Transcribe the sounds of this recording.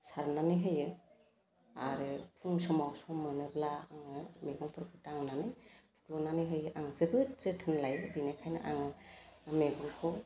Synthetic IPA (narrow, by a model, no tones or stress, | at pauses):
saɾnanɯjɦɯjɯ | a̰ɾɯpʰuŋsɔmawsɔmɯnɯblaaŋɯmeɡɔŋpʰɾkʰɯtaŋnanɯjtʰu̥klɔnanɯjɦɯjɯʔaŋzɯbɯt̚zɯtʰɯnlajbinakʰajnɯ̰ʔa̰ŋɯmeɡɔŋpʰɔ